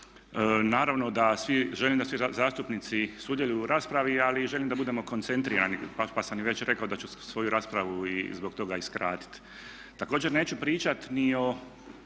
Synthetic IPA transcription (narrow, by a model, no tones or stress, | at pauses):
naːɾaʋno̞d̪asʋiʒe̞limd̪asʋizaːst̪upnit̪sisuːd̪jeʎuɾaːspɾaʋialiʒe̞limd̪abud̪emo̞ko̞nt̪se̞nt̪ɾiːɾa̰nipapasamjʋe̞t͡ɕɾe̞kaod̪at͡ɕusʋo̞juɾaːspɾaʋuizbo̞ɡt̪o̞ɡaiskɾa̰ːt̪i̥t̪ | t̪ako̞ːd͡ʑe̞ɾne̞ːt͡ʃupɾiːt͡ʃat̪nio̞